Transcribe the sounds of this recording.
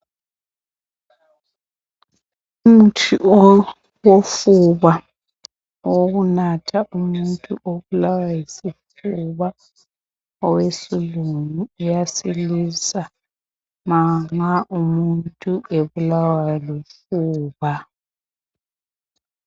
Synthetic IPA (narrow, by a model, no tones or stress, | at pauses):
um̩tʰiʔ | wofuβa | woɣunatʰaʔumuntʼṵʔoβulawajisif | uβa | ɔwesiluŋuːjasilisa | maŋaʔumuntʼuʔeβulawalefuːβa